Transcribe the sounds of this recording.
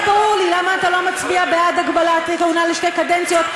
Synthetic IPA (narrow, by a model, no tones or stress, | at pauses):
paʁuʁlilamaːt̪alo̞mat͡sbiabead̪aɡbalat̪iteunaleʃtekadent͡sijo̞t̪̚